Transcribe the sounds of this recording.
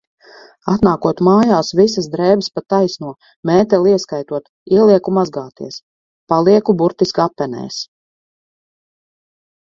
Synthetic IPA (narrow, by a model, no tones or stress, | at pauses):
at̪naːkuɔt̪maːjaːsvisasd̪ɾɛːbəspat̪ːajsnuɔ | mɛːt̪ɛlˠiɛskajt̪uɔt̪ | iɛlˠiɛkumazɡaːt̪iɛs | palˠiɛkubuɾt̪iskapːɛnɛ̰ːs